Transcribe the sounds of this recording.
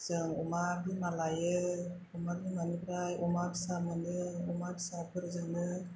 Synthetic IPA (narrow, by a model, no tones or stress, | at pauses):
zəŋumabimalajə | umabimanibɾajʔumabisamənəumabisabəɾd͡ʒəŋə